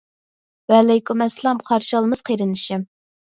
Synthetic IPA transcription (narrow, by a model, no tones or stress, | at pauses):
wɛlɛjkʰumɛslˠɑmqʰɑɾʃəlˠmɨz̥qʰeɾɪnɪʃɪm